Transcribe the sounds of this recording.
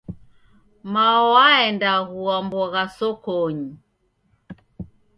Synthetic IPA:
maɔwaɛndaɣuambɔɣasɔkɔɲi

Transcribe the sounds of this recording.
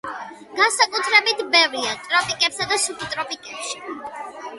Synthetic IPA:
ɡ̥ansakʼut̪ʰɾɛbit̪ʰbɛvɾiat̪ʼɾɔpʼikʼɛpsad̪asukʰit̪ʼɾɔpʼikʼɛpʃi̥

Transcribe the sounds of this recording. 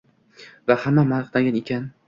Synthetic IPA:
vahamːamanɨqt̪aŋɡʲanekʲʰan

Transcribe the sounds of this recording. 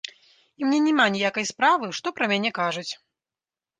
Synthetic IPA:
imnʲɛnʲɛmanʲijakɐjspɾavɨʂt̪ɔpɾɐmʲanʲɛkaʐɐt͡sʲ

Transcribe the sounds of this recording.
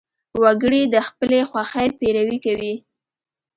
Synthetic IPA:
waɡəɽid̪əxpəlexwaxəjpeɾawikawi

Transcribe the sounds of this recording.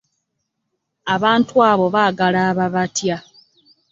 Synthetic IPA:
aβaːntwaːβo̞βaːɡalaːβaβatja

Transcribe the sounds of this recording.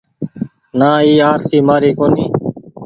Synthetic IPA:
naːiːaːɾsiːmaːɾiːkoːniː

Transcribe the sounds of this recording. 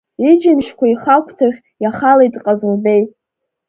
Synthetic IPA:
id͡ʒɪmʃkʷʰaiχakʷʰʼtʰaχʲ | jaχalejtʼqʼazɨlbe̞j

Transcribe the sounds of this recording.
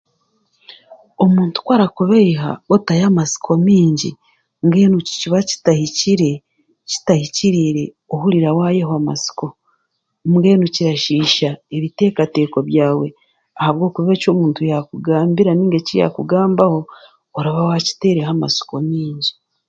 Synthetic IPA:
o̞muːntu̥kwaɾakuβeiɦa̰otajamasi̥kʰo̞miːɲɟḭ | ŋɡe̞ːnuci̥ciβaci̥tahiciɾe̞ | ci̥tahiciɾiɾe̞ | ohuɾiɾawaːje̞ɦoama̰si̥ko̞ | ŋɡe̞ːnuciɾaʃiːʃaeβite̞ːkate̞ːko̞βjaːwe̞ | ahaβɡo̞ːkuβe̞co̞ːmuːntujakuɡaːmbiɾaniːŋɡecija̰kuɡaːmbaho̞ː | ɾaβawaci̥te̞ːɾehama̰si̥ko̞miːɲɟi

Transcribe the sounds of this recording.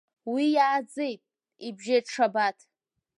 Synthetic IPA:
wijaːd͡ze̞jtʼ | ibʒeʈ͡ʂʰabatʰ

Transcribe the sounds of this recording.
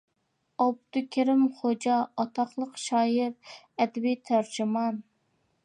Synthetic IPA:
ɑb̚t̪ukʲʰeɾɪmχod͡ʒɑːt̪ʰɑχlˠəqʃɑːɪɾ | ɛd̪ɪbijt̪ʰæɾd͡ʒymɑn

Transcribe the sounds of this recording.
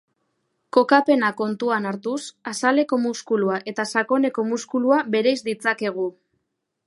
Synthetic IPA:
ko̞kape̞nako̞nt̪uanaɾt̪usasale̞ko̞muskuluaʔe̞t̪asako̞ne̞ko̞muskuluaβe̞ɾejzd̪it͡sake̞ɣ̞u

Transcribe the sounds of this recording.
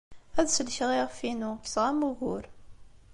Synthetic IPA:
æðsəlçʁˤiʁfinuksʁamuɣʊ̰ɾ

